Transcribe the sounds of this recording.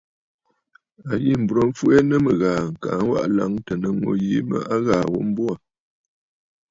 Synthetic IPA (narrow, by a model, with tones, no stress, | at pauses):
a˨ji˦m̩˨bɾo˨˦ɱ̩˦fu˦e˦nə˦mə˨ɣaː˨ŋ̩˨ka˨˦ŋ̩˦wa̰˦ʔla˦ŋtə˨nə˨ŋo̰˨ji˨˦mə̰˦ʔa˦ɣaː˨wo˦m̩˦bwa˦˨